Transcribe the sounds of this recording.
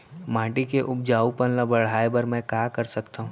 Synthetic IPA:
mãːʈikeʔʊb̚d͡ʒaːupənlɐbɐɽ̤aːebəɾmɛ̃ːkaːkɐɾsɐkt̪aɦũː

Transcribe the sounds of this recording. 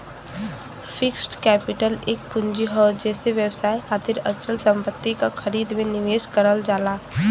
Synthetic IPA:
fʰɪksʈkɛːpɪʈəleːk̚pʊnd͡ʒiɦɔd͡ʒɛːseʋjəbsaːiɦaːd̪iɾət͡ʃəlsə̃mpət̪ːikaxʰəɾiːd̪mẽnɪʋeːd͡ʒkəɾəld͡ʒaːlaː

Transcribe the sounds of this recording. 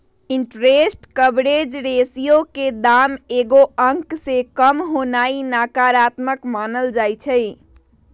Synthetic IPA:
iɳʈɾesʈkəbɽed͡ʒɾesijoked̪ameɡoəŋksekəmɦonainakaɾat̪məkmanəld͡ʒajt͡ʃʰəɪ

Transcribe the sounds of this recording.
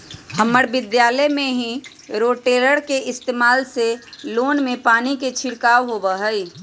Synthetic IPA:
həməɽbɪd̪jaːləmẽɦĩ | ɾoːʈeːɾəɽkeʔɪst̪eːmaːlseloːnmẽpaːniket͡ʃʰɪɽkaːʋɦobəɦəi

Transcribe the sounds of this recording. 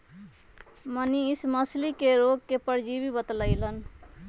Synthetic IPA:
mənisməslikeɾoɡ̚kepəɾd͡ʒibibət̪ləɪlən

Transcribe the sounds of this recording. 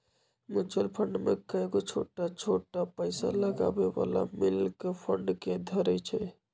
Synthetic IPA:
mut͡ʃəlpʰəɳɖmḛkəeɡot͡ʃʰoʈat͡ʃʰoʈapəɪsa̰ləɡa̰beba̰la̰milkpʰəɳɖked̪ʱəɾɛt͡ʃʰɛ

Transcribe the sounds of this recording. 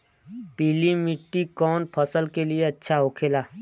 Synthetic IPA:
piːlimɪʈːikɔːnpʰəsəlkelieɐtːʃʰaɦoːkʰeːlaː

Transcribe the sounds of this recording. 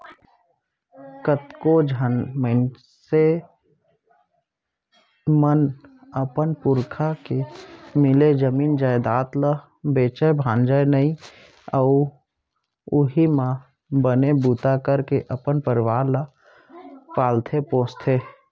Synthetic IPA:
kət̪kod͡ʒʱənməɪn | se | mən | əpənpʊɾkʰakemɪled͡ʒəmiːnd͡ʒaːjd̪aːt̪lə | beːt͡ʃəbʱãːnd͡ʒəjnəĩ | əʊ | ʊɦimã | bənebut̪akəɾkeʔəpənpəɾɪʋaːɾlə | paːlt̪ʰepõːst̪ʰe

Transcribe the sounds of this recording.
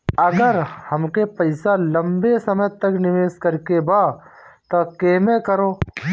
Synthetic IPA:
ɐɡəɾhɐmkepɐɪsalɐ̃mbesɐməjt̪ɐknɪʋeːskɐɾkebaːt̪okeːmekəɾoː

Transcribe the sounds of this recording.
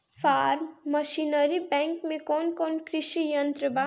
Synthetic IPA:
pʰaːɾmːəʃinəɾibɛ̃ːŋkmẽkɔːnkɔːnkɾɪʃijənt̪ɾəba

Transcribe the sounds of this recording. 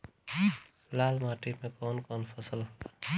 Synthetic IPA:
laːlmaːʈimẽkoːnkɔːnpʰəsəl

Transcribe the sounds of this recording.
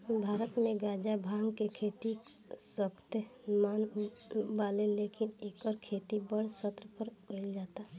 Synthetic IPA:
bʱaːɾət̪mẽɡaːd͡ʒabʱaːŋɡkekʰeːt̪i | səkʰt̪emaːn | baːlelekɪneːkɔɾkʰeːt̪ibəɽ̤sət̪ɾəpəɾkeld͡ʒaːt̪a

